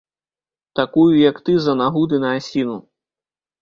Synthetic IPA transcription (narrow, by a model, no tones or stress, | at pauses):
t̪akujujɐkt̪ɨzɐnaɣud̪ɨnɐasʲinu